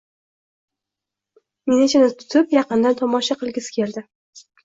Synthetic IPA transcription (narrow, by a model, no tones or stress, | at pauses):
menet͡ʃʰanɪt̪ʰʊ̥t̪ʰɪpjɑqɨnd̪ant̪ʰɒmɒʃɑqʰɨlˠɡʲɪskʲʰe̞ld̪ɪ